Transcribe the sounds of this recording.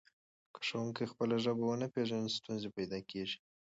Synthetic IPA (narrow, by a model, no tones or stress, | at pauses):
kʰḁʂawuŋkajxpəlaʒabawanapeʒanist̪unzepajd̪ɑkeʒi̥